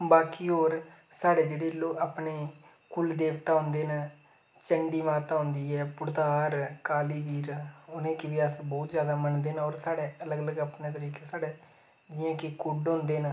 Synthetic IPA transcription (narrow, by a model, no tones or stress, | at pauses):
baːkiːoːɾ | saːɽeːd͡ʒeːɽeːloːaːpneː | kʊld̪eːkt̪aːɦʊ̃nd̪eːna | t͡ʃəɳɖiːmaːt̪aːɦʊ̃nd̪iːɛːpʊɽd̪aːɾkaːliːʋiːɾʊnẽːkɪʋiəsbɔːt̪zjaːd̪aːmənd̪eːnːɔːɾsaːɽeːələɡələɡaːpneːt̪əɾiːkeːsaːɽeː | d͡ʒɪjãːkɪkʊɖɦʊ̃nd̪eːn